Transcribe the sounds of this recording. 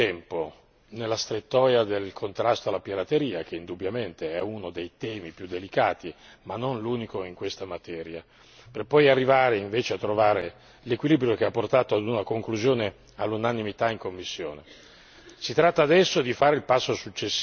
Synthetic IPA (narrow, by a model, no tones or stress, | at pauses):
ɛmpo | nelːast̪ɾet̪ːɔːjad̪elkʰont̪ɾast̪oalːapiɾat̪eɾiːak̟eind̪ubːjament̪eɛunod̪ejt̪ɛːmipjud̪ːelikaːt̪i | manːonluːnikoiŋkwest̪amat̪ɛːɾja | perpːɔjarːivaːɾeiɱveːt͡ʃeat̪ːɾovaːɾe | lekwiliːbɾjok̟eapːort̪aːt̪oad̪unakoŋkluzjoːne | alːunanimit̪aiŋkomːisːjoːne | sit̪ɾat̪ːaːd̪ɛsːod̪ifaːɾeilpasːosut͡ʃːesː